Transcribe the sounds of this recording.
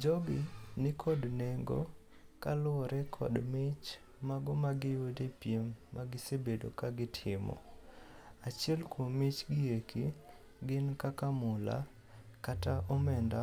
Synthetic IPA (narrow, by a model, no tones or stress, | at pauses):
d͡ʒɔbinɪkʰɔdneŋɡo̰ | kalʊɔɾɛkʰɔ̰dmɪt͡ʃ | maɡɔmaɡɪjwodepjemːaɡɪsebedo̰kaɡɪtʰɪmɔ̰ | at͡ʃɛlkwommɪt͡ʃɡɪeki | ɡɪnkakamʊla̰ | kataʔɔmɛnda